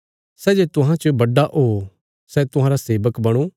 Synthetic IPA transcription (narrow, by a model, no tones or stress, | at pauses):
sɛːd͡ʒet̪ʊɦãt͡ʃobɐɖaʔɦoː | sɛt̪ʊɦãːɾaseːʋəkbɐɽ̃u